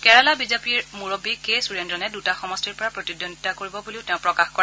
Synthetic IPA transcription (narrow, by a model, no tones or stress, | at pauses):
kɛɹalabizapiɹmuɹobikesuɹendɔnɛdutaxɔmɔstiɹpɔɹapɹotidɔntakoɹibɔbuliʊtɛ̃ʊ̃pɹɔkaxkɔɹɛ